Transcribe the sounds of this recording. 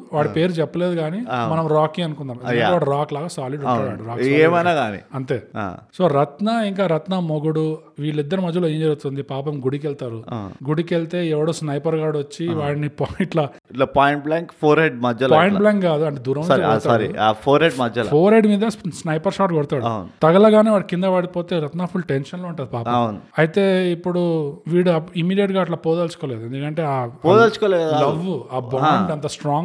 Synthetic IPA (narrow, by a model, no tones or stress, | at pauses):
ʋaːɽipe̞ːɾut͡ʃɛpːɐle̞ːd̪uɡaːnimɐnɐmɾaːkiŋɐnukund̪aːmɐnɐɐeʋaːɽɐɾaːklaːɡɐsaːliɖuɐaːɽuɾaːksaːeːmɐnaːɡaːnḭɐnt̪e̞ːa̰soːɾɐt̪nɐiŋk̬aːɾɐt̪nɐmoɡuɽu | ʋiːɭːid̪ːɐɾumɐd͡ʒːɐloːjeːɲd͡ʒeːut̪und̪ipaːpɐmɡuɽik̬ɛlt̪aːɾuɡuɽikelt̪e̞ːɛʋɐɽoːsnɐjpɐɾɡaːɽʋɐt͡ʃːiʋaːɽnipaːjiɳʈlɐ | lɐpaːjiɳʈ̚blaːŋkpʰoːɾɦeɖmɐd͡ʒɐlpaːjiɳʈblaːŋkɡaːd̪uɐɳʈeːd̪uːɾɐmɾɐɐɾḭapʰoːɾɦeɖmɐd͡ʒɐlɐpʰoːɾɦeɖmiːd̪ɐsnɐjpɐɾʃaːʈɡɔɽt̪aːɽnt̪ɐɡɐlɐɡaːneʋaːɽkind̪ɐʋaːɽipoːt̪e̞ːɾɐt̪naːpʰulʈenʃɐnloːuɳʈaːd̪ipaːpɐɐwnɐjit̪e̞ːipːuɽuʋiːɽuɐimːiːɖijɐʈɡaːʈ̬lɐpoːd̪ɐlsu̥koːle̞ːd̪uend̪ukɐɳʈe̞ːaːpoːd̪ɐlt͡ʃu̥kɔːlɛːɐalɐʋːuaːbɐmeɳɖɐnt̪ɐsʈɾaːŋ